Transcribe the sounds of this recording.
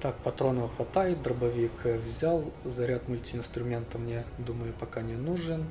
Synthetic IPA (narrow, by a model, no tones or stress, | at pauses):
t̪ak̚pɐt̪ɾo̞nəvxʋɐt̪ajɪt̪̚d̪ɾəbɐvʲɪkvzʲalˠzɐɾʲat̪mʊlʲtʲɪɪnst̪ɾʊmʲent̪əmnʲed̪uməjʊpɐkanʲɪnuʐɨn